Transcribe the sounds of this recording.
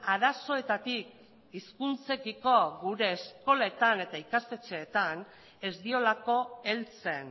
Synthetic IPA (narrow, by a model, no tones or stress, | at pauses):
aɾaso̞e̞t̪at̪ik̚ | iskunt͡se̞kiko̞ɣuɾe̞ːsko̞le̞t̪ane̞t̪aikast̪e̞t͡se̞ːt̪an | e̞zd̪io̞lako̞e̞lt͡se̞n